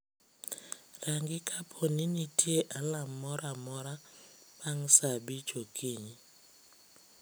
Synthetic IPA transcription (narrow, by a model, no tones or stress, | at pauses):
raŋɡɪkʰapʰɔnɪnitʰjeʔalamːɔɾamɔɾapaŋsabit͡ʃokʰiɲi